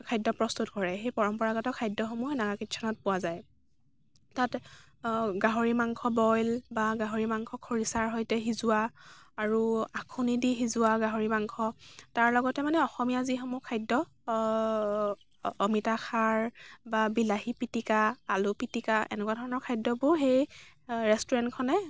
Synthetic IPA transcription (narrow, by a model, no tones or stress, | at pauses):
kʰajdɔpɹɔstutɡʱɔɹɛɦejpɔɹɔmpɔɹaɡɔtɔkʰajdːɔxomuɦɔnaɡakitʃʰɔnɔt̚pʊwazaj | tat | ɡaɦoɹimaŋkʰɔbɔjlbaɡaɦoɹimaŋkʰɔkʰoɹisaɹɦɔjtɛɦizʊwaːɹuakʰunidiɦizʊaɡaɦoɹimaŋkʰɔtaɹlɔɡɔtɛmanɛɔxɔmijazixomukʰajdɔ | mitaxʰaɹbabilaɦipitikaalʊpitikaʔɛ̰nɛkwadʱɔɹɔnɔɹkʰajdɔbʊɹxej | ɹɛstɔɹɛntkʰɔnɛ